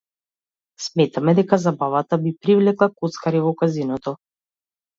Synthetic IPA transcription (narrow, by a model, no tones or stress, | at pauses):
smɛt̪amɛd̪ɛkazabavat̪abipɾivlɛklˠakɔt̪skaɾivɔkazinɔt̪ɔ